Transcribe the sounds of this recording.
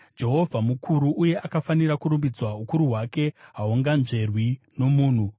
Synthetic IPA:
d͡ʒe̞ɦo̞vʱamukʰuɾuʔuje̞ʔakafaniɾakuɾumbid͡zwaukuɾuɦwake̞ɦauŋɡanʐe̞rwino̞muːn̤u

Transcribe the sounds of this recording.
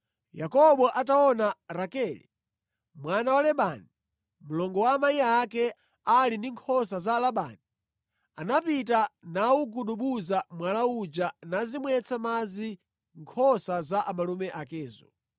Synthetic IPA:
jakɔɓɔʔataɔnaɾakɛlḭ | mwanawalɛɓani | mulɔŋɡɔwaːmajiaːkɛ | alindiŋkʰɔs̬azalaɓa̰ːni | anapitanauɡuɗuɓuzamwalaud͡ʒanazimwɛt͡sʰamad͡zi | ŋkʰɔsazaʔamalumɛʔakɛːzɔ

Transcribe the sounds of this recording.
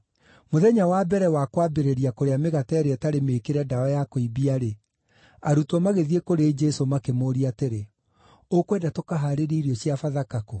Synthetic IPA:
moðɛɲawabɛɾɛwakwabeɾeɾiakoɾeameɣatɛɾeɛtaɾemekeɾɛdaɔjakoibiaɾe | aɾutɔmaɣeðiekoɾed͡ʒɛsomakemoːɾiateɾe | okwɛːdatokaɦaɾeɾiːɾiɔɕiafaðakako

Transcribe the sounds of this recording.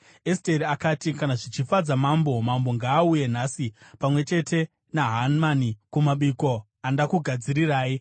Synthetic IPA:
esteɾiakatikanaʐit͡ʃifad͡zamambo̞mambo̞ŋɡaːuje̞nasipamwe̞t͡ʃe̞tʰe̞ | naɦanmanikumaɓiko | andakuɡʱad͡ziɾiraːji

